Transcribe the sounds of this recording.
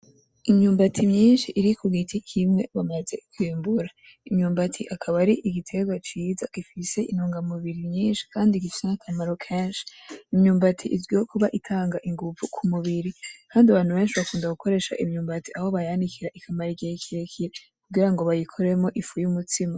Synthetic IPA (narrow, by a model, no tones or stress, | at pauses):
imɲuːmbatʰimɲiːnʃiʔːɾikuɡitʰikʰimŋe̞βamaze̞kwiːmbuɾa | imɲuːmbatʰiʔakʰaβaɾiʔiɡitʰe̞ɡwat͡ʃiːzaɡ̥ifise̞ʔinuːŋɡamuβiɾimɲiːnʃi̥kʰaːndiɡifi̥senakʰamaɾokʰeːnʃi̥imɲuːmbatʰiʔizɡiokʰuβaʔitʰaːŋɡaʔiŋɡuvukʰumuβiɾikʰaːndiaβaːn̥huβe̞ːnʃiβakuːndaɡuko̞ɾe̞ːʃa̰ʔimɲuːmbatiʔaho̞βajandikʰiɾaʔikʰamaɾiɡihikʰiɾekʰiɾe | kuɡiɾaŋɡo̞βajikʰoɾemo̞ʔifujumutimo